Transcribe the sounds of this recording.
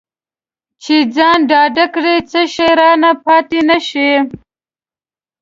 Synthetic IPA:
t͡ʃʰed͡zɑːnɖɑːɖakɽet͡səʃeɾɑːnapɑːt̪inaʃe

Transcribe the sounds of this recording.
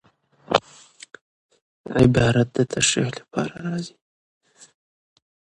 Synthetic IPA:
ʕɪbɑɾat̪̚d̪ət̪ʰaʃɾḭχlapʰɑ̰ɾaɾɑzi̥

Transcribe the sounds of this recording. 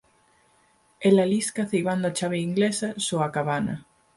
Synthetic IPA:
elaliskaθejβand̪oat͡ʃaβeiŋɡlesasoakaβanɐ̰

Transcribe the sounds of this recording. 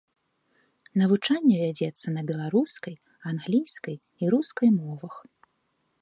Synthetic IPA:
nɐvut͡ʂanʲːɛvʲad͡zʲɛt̪sːɐnɐbʲɛlˠaɾuskɐj | anɣlʲijskɐj | iɾuskɐjmɔvɐx

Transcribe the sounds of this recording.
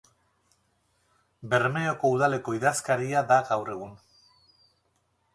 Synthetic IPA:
be̞ɾmeoko̞uð̞ale̞ko̞iðaskaɾiaðaɣawre̞ɣ̞un

